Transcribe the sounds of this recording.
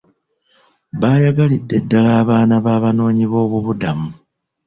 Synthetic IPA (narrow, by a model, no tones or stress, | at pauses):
βaːjaɡalidːe̞dːalaːβaːnaβaːβano̞ːɲiβo̞ːβuβudamu